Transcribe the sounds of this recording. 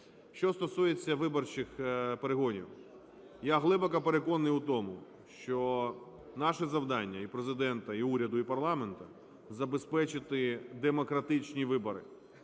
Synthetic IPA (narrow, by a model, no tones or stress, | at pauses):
ʃt͡ʃɔst̪ɔsujet͡sʲːɐʋɪbɔrt͡ʃɪxpeɾeɦɔnʲḭw | jaɦlˠɪbɐkɐpe̞ɾekɔnnːɪjut̪ɔmʊ | ʃt͡ʃɔ | nɑʃɛzɐwd̪ɑnʲːɐipɾezɪd̪ɛnt̪ɐiuɾʲɐd̪ʊipɐrlˠɑment̪ɐ | zɐbe̞spɛt͡ʃɪt̪ɪd̪emɔkɾɐt̪ɪt͡ʃnʲiʋɪbɔɾɪ̰